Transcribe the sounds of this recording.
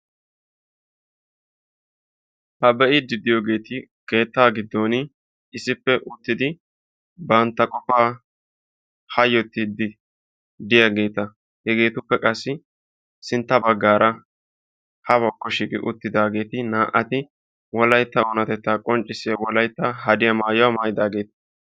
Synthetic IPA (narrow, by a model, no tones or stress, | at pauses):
hɐbɛʔɪd̪ɪd̪ɪjoːɡe̞ːt̪ɪ | ke̞ːt̪ːaːɡɪd̪ːon | ɪsɪpːɛʔʊt̪ːɪd̪ɪ | bɐnt̪ːɐkʼɔfaː | hɐjɔt̪ːid̪ɪ | d̪ɪjɐɡe̞ːt̪ɐ | hɛɡe̞ːt̪ʊpːɛkʼɐsːɪ | sɪnt̪ːɐbɐɡːaːɾɐ | hɐbɔkːɔʃɪkʼɪ̰ʔʊ̰t̪ːɪd̪aːɡe̞ːt̪ɪnaːʔɐt̪ɪ | wɔlɐjt̪ːɐonɐt̪ɛt̪ːaːkʼɔnt͡ʃʼːɪsɪjɐwɔlɐjt̪ːaɦɐd̪ɪjɐmaːjʊwamaːjɪd̪aːɡe̞ːt̪ɐ̥